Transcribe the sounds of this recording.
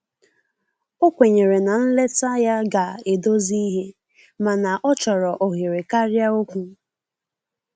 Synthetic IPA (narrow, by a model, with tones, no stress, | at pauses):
o˦kʷe˨ɲe˨ɾe˨na˨n̩˦le˦ta˦ja˦ɡa˨e˨do˦zi˦ɦe˦ | ma˨na˨ʔɔ˦t͡ʃɔ˨ɾɔ˨ʔo˨ɦi˨ɾe˨ka˦ɾja˦o˦kʷu˨˦